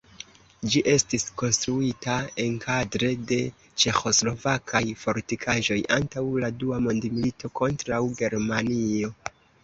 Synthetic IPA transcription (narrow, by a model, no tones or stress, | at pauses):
d͡ʒiʔe̞stisko̞nstɾuitae̞nkʰadɾe̞de̞ | t͡ʃe̞xo̞slo̞vakʰajfo̞ɾtikʰaʒo̞jʔa̰ntawladuamo̞ndimilitʰo̞ko̞ntɾawɡe̞ɾmanio̞